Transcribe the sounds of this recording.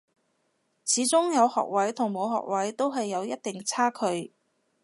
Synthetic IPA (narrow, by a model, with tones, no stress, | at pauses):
t͡sʰiː˨˥t͡sʊ˥ŋjɐ˨˧whɔ̰ː˨k̚wɐ˨˥jt̪ʰʊ˨˩ŋmo˨˧wɦɔ̰ː˨k̚wɐ˨˥jt̪o˥wɦɐ˨jːɐ˨˧wjɐ˥t̚t̪ɪ˨ŋt͡sʰaː˥kʰɵ˨˧ɥ